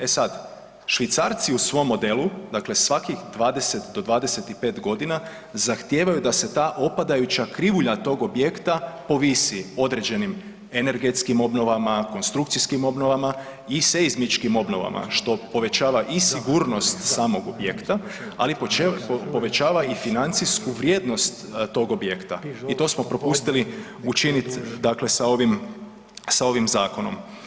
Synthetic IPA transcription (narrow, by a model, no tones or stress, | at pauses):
e̞sad̪ | ʃʋit̪saːɾt̪siusʋo̞mːo̞d̪e̞lud̪akle̞sʋakixd̪ʋaːd̪e̞se̞t̪d̪o̞d̪ʋaːd̪e̞se̞t̪ipe̞ːt̪ɡo̞d̪ina | zaxt̪jeːʋajud̪ase̞t̪aːʔo̞pad̪ajut͡ʃakɾiʋuʎat̪o̞ːɡo̞bje̞kt̪apo̞ʋisio̞d̪ɾe̞d͡ʒe̞nim | e̞ne̞ɾɡe̞t̪skimo̞bno̞ʋamako̞nst̪ɾukt̪siskimo̞bno̞ʋama | iseizmit͡ʃkimo̞bno̞ʋa̰mʔa̰ʃt̪o̞po̞ʋe̞t͡ʃaːʋaʔisiɡuːɾno̞st̪saːmo̞ɡo̞bjekt̪aa̰lippo̞ʋe̞t͡ʃaːʋaifinant̪siskuʋɾje̞ːd̪no̞st̪t̪ːo̞ɡo̞bjekt̪a̰it̪o̞ːsmopɾopust̪ili | ut͡ʃinit̪d̪akle̞sao̞ʋim | sao̞ʋimzaːkono̞̰m